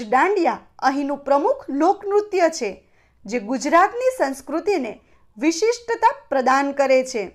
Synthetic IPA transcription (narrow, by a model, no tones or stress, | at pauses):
ɖãɳɖjaəɦĩnũpɾəmukʰloknɾut̪jət͡ʃʰe | d͡ʒeɡud͡ʒɾat̪nisə̃ñskɾut̪ine | ʋiʃiʃʈət̪apɾəd̪ankəɾet͡ʃʰe